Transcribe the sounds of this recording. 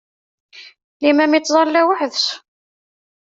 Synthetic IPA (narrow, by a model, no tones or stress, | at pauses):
limæmit͡s̪ːzˤɑlːæwəħðs